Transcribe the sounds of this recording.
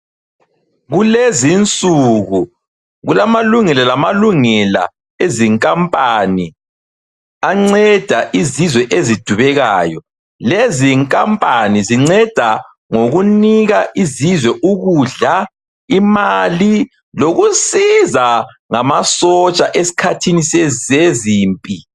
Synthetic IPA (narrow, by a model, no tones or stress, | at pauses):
ɣulezint͡sʼuɣu | ɣulamaluŋɛlalamaluŋɛla̰ | eziŋkʼampʼani | aŋ͡ǀɛd̥ʱaʔizizwɛʔezid̥ʱuβɛɣaːjɔ | leziŋkʼampʼaniziŋ͡ǀɛd̥ʱa | ŋoɣuniɣaʔizizwɛʔuɣuɮa | imali | loɣusiza | ŋamasɔt͡ʃʼaʔesi̥kʰatʰiniseeziːmpʼi